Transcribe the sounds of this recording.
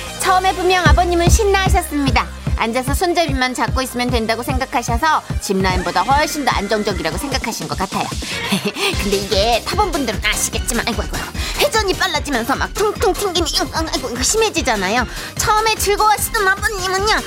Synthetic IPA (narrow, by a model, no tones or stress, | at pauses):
t͡ɕʰʌɯme̞pumjʌŋabʌɲimɯnɕʰinːaɦaɕ̬ʰʌs͈ɯmɲida | and͡ʑes̬ʰʌsʰond͡ʑebimant͡ɕak͈̚ois͈ɯmjʌndwe̞ndaɡosʰeŋɡakʰaɕʰʌsʰʌt͡ɕimnainbodaɸwʌɭɕ͈indoʔa̰nd͡ʑʌŋd͡ʑʌɡiɾaɡosʰeŋɡakʰaɕʰinɡʌk͈atʰajo̰jekɯnde̞iɡe̞tʰabʌnbundɯɾɯnaɕʰi̥ɡe̞t̚t͡ɕ͈imanaiɡoaɡojohe̞d͡ʑʌɲip͈aɭːad͡ʑimjʌnsʰʌma̰k̚tʰɯŋtʰɯŋtʰɯŋɡimiiŋaŋaiɡoɡoɕʰime̞d͡ʑid͡ʑanajo | t͡ɕʰʌɯme̞t͡ɕɯɭɡʌaɕʰidɯnabʌɲimɯnɲa